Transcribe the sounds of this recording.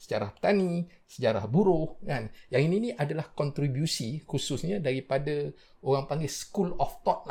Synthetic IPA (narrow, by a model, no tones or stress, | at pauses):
sə̥d͡ʒaɾahpə̥t̪ani | səd͡ʒaɾa̰hbuɾohkanjaŋininĩʔadalahkɔnt̪ɾibjusikususɲãdaɾipada | oɾaŋpaŋɡɛsə̥kulɔft̪ɔt̪̚na